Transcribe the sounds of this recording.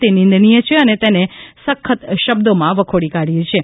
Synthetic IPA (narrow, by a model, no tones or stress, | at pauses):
t̪enɪ̃nd̪ʱnijət͡ʃʰeənet̪enesəkʰːət̪ʃəbd̪omãʋəkʰoɽikaɽijet͡ʃʰe